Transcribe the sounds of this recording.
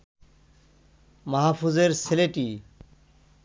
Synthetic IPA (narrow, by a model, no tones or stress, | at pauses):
mɐɦafuzeɾseleʈi